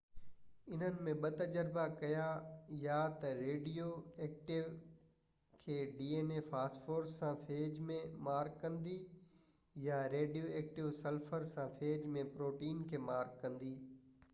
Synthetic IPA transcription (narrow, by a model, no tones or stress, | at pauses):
ɪn̤ənɪ̆mẽɓɐt̪ɐd͡ʑəɾbakɐjajat̪ɐɾeːɖijoeːk̚ʈɪʋ | kʰeːɖiːeːnefaːsʈfoːɾssːãfʰeːd͡ʑmẽmaːɾkːɐ̃nd̪i | jaɾeːɖijoeːk̚ʈɪʋsɐlfəɾsãfeːd͡ʑmẽpɾoːʈiːnkʰeːmaːɾkːɐ̃nd̪iː